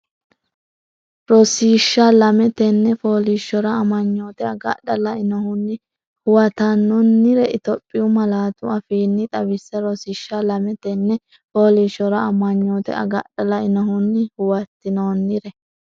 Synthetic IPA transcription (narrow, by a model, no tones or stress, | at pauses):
ɾɔsiːʃːalɐmɛt̪ɛnːɛfoːliʃːɔɾɐɐmɐɲːoːt̪ɛɐɡɐ̰ɗɐlɐɪnɐhʊnːɪ | hʊwɐt̪ɐnːɔnːɪɾɛɪt̪ɔpʼːɪʊmɐlaːt̪ʊɐfiːnːɪt̪ʼɐβɪsːɐɾɔsiːʃːalɐmɛt̪ɛnːɛ | foːliʃːɔɾɐɐmɐɲːoːt̪ɛ̰ɐ̰ɡɐɗɐlɐɪnɐɦʊnːɪhʊwɐt̪ːɪnoːnːɪɾɛ